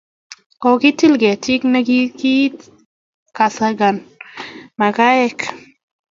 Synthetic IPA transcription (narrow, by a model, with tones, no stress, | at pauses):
kɔ˨ki˦ti˦lɡɛ˨ti˦kna˦ɡi˦ki˦ | ka˨sa˦ɡa˨n | ma˨ka˦ɛ˦k